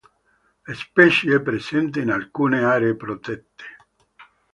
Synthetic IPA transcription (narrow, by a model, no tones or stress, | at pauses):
lespɛt͡ʃeɛpːɾesɛnt̪einalkuːneaːɾeːpɾot̪ɛt̪ːe̥